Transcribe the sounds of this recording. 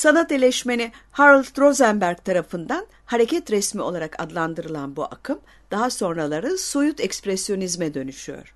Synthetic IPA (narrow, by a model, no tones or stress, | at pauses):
sanat̪elʲɛʃmenihaɾlʲˠt̪ɾo̞zɛmbæɾɡ̚t̪ʰaɾafɯnd̪an | haɾecʰɛt̪ɾɛsmio̞lˠaɾakʰa̰d̪lˠand̪ɯɾɯlˠanbuʔa̰kʰɯm | d̪̥aɦaso̞nɾalˠaɾɯsujut̪ʰɛkspɾɛsjo̞nizmɛd̪ø̞nyʃyjo̞̰ɾ̥